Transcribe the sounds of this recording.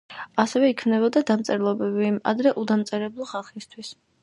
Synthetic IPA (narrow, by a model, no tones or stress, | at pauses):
asɛvɛikʰmnɛbɔd̪ad̪amt̪sʼɛɾlˠɔbɛbia̰d̪ɾɛʔud̪amt̪sʼɛɾɛblˠɔχalˠχist̪ʰwis